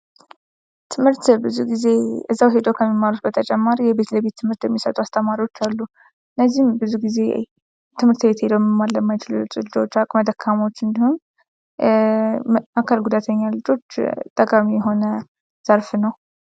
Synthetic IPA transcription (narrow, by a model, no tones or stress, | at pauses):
t̪ʰɨmhɨɾt̪bɨzuɡize̞ɨzːawɦe̞d̪əwkʰəmːimːalut̪̚bət̪ʰət͡ʃʼɛmːaɾijɛβe̞t̪ləβe̞t̪ʰːɨmhɨɾt̪jɛmːisət̪ʼuast̪ʰəmaɾiwot͡ʃːalːu | ɨnːəzːihmbɨzuɡize̞̰j | t̪ʰɨmhɨɾt̪be̞t̪he̞d̪əwmɨmːalləmːajt͡ʃɪlut͡ʃʼɨlɨd͡ʒwot͡ʃːakʼməd̪əkʰːamo̞t͡ʃːɨnd̪ihum | akʰalɡud̪at̪ʰəɲːalɨd͡ʒo̞t͡ʃːt̪ʼːəkʼamijɛɦo̞nə | z̥əɾfnəw